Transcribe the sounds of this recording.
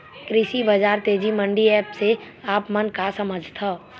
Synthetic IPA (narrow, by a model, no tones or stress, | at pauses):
kɾɪʃibɐd͡ʒaːɾt̪eːd͡ʒimə̃ɳɖiɛːpse | aːpmənkasɐməd͡ʒʱt̪ʰa